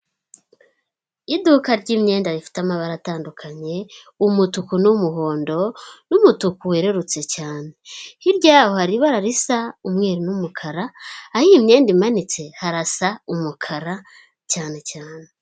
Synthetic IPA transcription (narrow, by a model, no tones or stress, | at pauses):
idukaɾɟimɲe̞ːndaβifi̥tamaβaɾataːndukʰaɲe̞ | umutukunumuɦo̞ːndo̞numutukuweɾe̞ɾut͡se̞caːne̞hiɾɟaːho̞haɾiβaɾaɾisaumŋe̞ːɾinumukʰaɾaːhiːmɲe̞ːndimanit͡se̞haɾasaumukʰaɾa | caːne̞caːne̞